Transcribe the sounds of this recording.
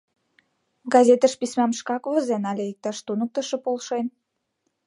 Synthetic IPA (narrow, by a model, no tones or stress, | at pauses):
ɡɑzʲet̪əʃpismɑmʃkɑkβəzenɑlʲeik̚t̪ɑʃt̪unək̚t̪əʃĕpolʃen